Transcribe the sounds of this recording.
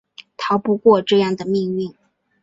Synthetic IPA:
t̪ʰɑ˨˧˥ʊpu˥˧kwɔ˥˧ʈ͡ʂɤ˥˧jɑ˥˩ŋd̪ə˩mi˥˧ŋli˥˩ŋ

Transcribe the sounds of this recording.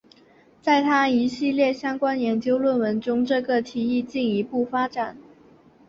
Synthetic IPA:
t͡sa˥˩ɪt̪ʰa˥i˧˥ɕi˥˧ljɛ˥˩ɕjɑ˥ŋkwa˥njɛ˧˥nt͡ɕjo˥ʊlwə˥˩nwə˧˥nʈ͡ʂʊ˥ŋʈ͡ʂɤ˥˧ɡə˩t̪ʰi˨˥i˥˧t͡ɕi˥˩ni˧˥pu˥˩fa˥ʈ͡ʂa˨˩˦n

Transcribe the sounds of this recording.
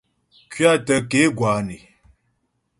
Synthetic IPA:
kɥi˦a˦˨tə˦ke˨˦ɡwa˨ni˨

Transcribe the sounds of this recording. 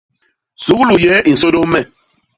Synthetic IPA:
su˨˦ɣlu˨jɛ˨˦i˨so˦do˦mɛ˦˨

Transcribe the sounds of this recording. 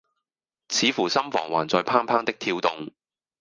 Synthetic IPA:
t͡sʰiː˨˥fuː˨˩sɐ˥mfɔ̰ː˨˩ŋwa̰ː˨˩nt͡sɔː˧jpʰaː˥ŋpʰaː˥ŋt̪ɪ˥k̚t̪ʰiː˧wt̪ʊ˨˧ŋ

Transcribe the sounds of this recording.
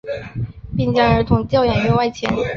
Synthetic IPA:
pi˥˧ŋt͡ɕjɑ˥ŋə˞˧˥t̪ʰʊ˧˥ŋt͡ɕjɑ˥˩ʊjɛ˨˩nɥɔ˥˧wa˥˩ɪt͡ɕʰjɛ̰˧˥n

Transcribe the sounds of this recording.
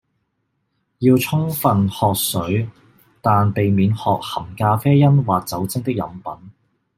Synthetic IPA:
jiː˧wt͡sʰʊ˥ŋfɐ˨nhɔː˨k̚sɵ˨˥ɥ | t̪aː˨npe˨jmiː˨˥nhɔː˨k̚hɐ˨˩mkaː˧fɛː˥jɐ˥nwaː˨˩k̚t͡sɐ˨˥wt͡sɪ˥ŋt̪ɪ˥k̚jɐ̰˨˥mpɐ˨˥n

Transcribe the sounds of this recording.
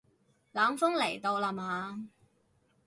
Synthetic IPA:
laː˨˥mfʊ˥ŋle˨˩jt̪o˨˧wlɐ˨mhaː˨˧

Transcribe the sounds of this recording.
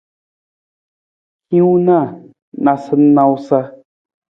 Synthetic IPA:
hĩ˦wna˦˨ | na˨sɨ˦n˦na˦wsa˦

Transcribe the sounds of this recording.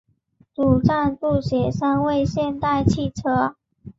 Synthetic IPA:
t̪u˨˩ʈ͡ʂa˥˧npu˥˩ɕjɛ˨˩ʂa˥nwe˥˧ɪɕjɛ˥˧nt̪a˥˧ɪt͡ɕʰi˥˩ʈ͡ʂʰɤ˥

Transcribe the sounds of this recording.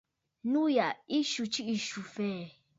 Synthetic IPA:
nũ˦ja˨i˦ʃu˨t͡ʃi˦i˨ʃu˨fe˦˨

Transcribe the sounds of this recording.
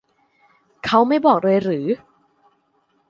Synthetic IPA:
kʰa˦˥wma˥˩jbɔː˨˩k̚ɾɤː˧jɾɯː˩˦

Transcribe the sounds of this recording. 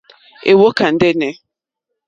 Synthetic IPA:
ḛ˨wo˦ka˨n̩˦dɛ˦nɛ˨

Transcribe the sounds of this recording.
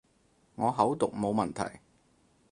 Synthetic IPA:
ŋɔː˨˧ɦɐ˨˥wt̪ʊ˨k̚mo˨˧wmɐ˨˩nt̪ʰɐ̰˨˩j

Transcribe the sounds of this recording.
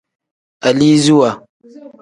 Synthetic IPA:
a˨li˦zu˦wa˨

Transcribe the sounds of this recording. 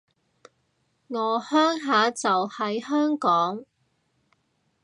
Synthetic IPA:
ŋɔː˨˧hœː˥ŋɦaː˨˧t͡sɐ˨whɐ˨˥jhœː˥ŋkɔː˨˥ŋ

